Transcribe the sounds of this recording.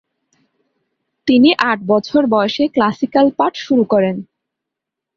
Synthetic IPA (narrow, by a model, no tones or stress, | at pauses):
t̪iniʔaʈ̚bɔt͡ɕʰoɾbɔeʃeklasikalpaʈʃuɾukɔɾen